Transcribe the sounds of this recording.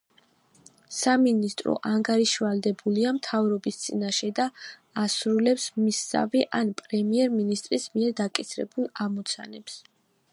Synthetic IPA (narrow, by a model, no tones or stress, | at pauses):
saminist̪ʼɾɔ̰ʔaŋɡaɾiʃivald̪ɛbuliamt̪ʰavɾɔbist̪sʼinaʃɛd̪aː | sɾulɛpsmisːa̰viʔanpʼɾɛmiɛɾminist̪ʼɾismiɛɾd̪akʼisɾɛ̰bulˠamɔt̪sʰa̰nɛps